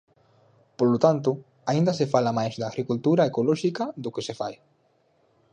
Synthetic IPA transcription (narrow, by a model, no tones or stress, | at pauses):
polot̪ant̪ʊ | aĩnd̪ɐsɪfalamajzd̪aːɣɾikult̪uɾaekolɔʃikɐðʊkɪsefa̰j